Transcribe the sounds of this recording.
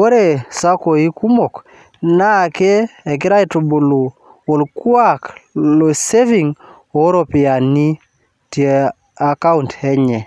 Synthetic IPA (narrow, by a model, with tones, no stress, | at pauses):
wo˦ɾe˦˨sa˦ko˨i˦ku˦mo˨k | na˦˨keː˦˨k̬ɪ˦ɾa˦i˨to˨bo˨lu˨ | o˨lkwa˦˨klo˨se˦vi˨ŋ | o˨˦ɾo˨pi˨a˨ni˦ | ti˨e˨ | a˨ka˦untɛ˦ɲɛ˨